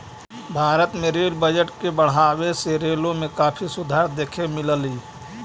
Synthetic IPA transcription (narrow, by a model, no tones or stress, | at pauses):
bʱaːɾət̪mẽɾeːlbəd͡ʒəʈkebəɽ̤aːweseɾeːlõmẽkaːpʰisʊd̪ʱaːɾd̪eːkʰemɪləliː